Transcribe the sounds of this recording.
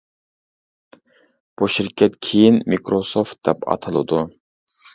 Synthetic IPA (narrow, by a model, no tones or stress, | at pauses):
b̥uʃiɾkʲʰɛt̪kʲʰejinmikɾosoft̪̚d̪ɛpɑ̰t̪ʰɨlˠɨ̰d̪u